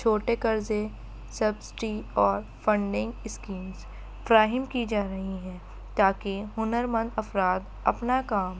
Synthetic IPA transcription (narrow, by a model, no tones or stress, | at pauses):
t͡ʃʰoːʈekɐɾze | sɐbsɪ̥ʈiɔːɾfɐ̃ɳɖɪ̃ŋɡɪskiːmz | fɾaːɦɪmkid͡ʒaːɾɐɦiɦɛ̃ː | t̪aːkeɦʊnəɾmə̃nd̪ɐfɾaːd̪ | ɐ̰pnakaːm